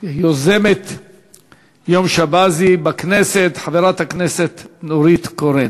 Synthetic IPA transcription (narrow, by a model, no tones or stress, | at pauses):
jozemet̪ | jomʃabazibakneset̪ħaveɾat̪hakneset̪noɾit̪koɾen